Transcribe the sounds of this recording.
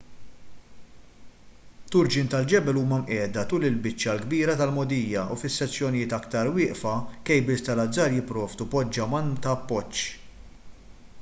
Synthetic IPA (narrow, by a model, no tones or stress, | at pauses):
t̪ʊɾd͡ʒɪnt̪ɐld͡ʒɛbɛluːmɐmʔɛːd̪ɐt̪uːlɪlbɪt͡ʃːjɐlɡbiːɾɐt̪ɐlmɔd̪ijːɐʔufɪsːɛt͡sːjɔnɪjɪːt̪ɐkt̪ɐɾwɪːʔfɐkɛjbɪst̪ɐlɐd͡zːɐɾjɪpːɾɔːvd̪upɔd͡ʒːɐmɐnt̪ɐːpːɔt͡ʃː